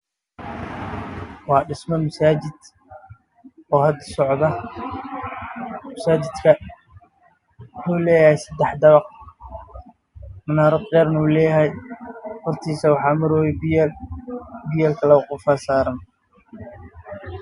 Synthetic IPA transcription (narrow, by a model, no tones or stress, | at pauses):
wɑːɖɪsmɔmɐsaːt͡ʃɪd̪ | ɔːhɐd̪ɐsɔʕd̪ɐ | mɐsaːt͡ʃɪd̪kʰɐ | wʊħuːlɛːjɐhɛjsɐd̪ɛħd̪ɐβɑq | mʊnaːɾɐd̪̚ɡɛːɾnɐuːlɛːjɐɦɛjhɔrt̪ʰiːsɐwɑħɑːmɐɾɔːwɛ | bɪjɛːlkʰɐlɐqʊfaːsaːɾɐn